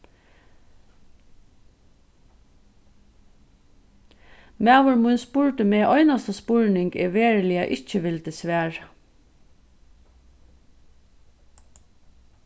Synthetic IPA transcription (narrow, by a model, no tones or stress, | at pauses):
mæːʋʊɹmʊnspuːɹt̪əmeːʔœʏnɑst̪əspuɹnɪŋɡɪ̰ʋeːɹlɪɑʔɪc͡çəʋɪlt̪əsʋæːɹ